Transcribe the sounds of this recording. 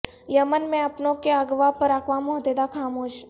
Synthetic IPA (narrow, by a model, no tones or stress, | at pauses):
jəmənmẽɐpnõkeəɡʋapəɾakʋamoɦd̪ed̪akʰaːmoːʃ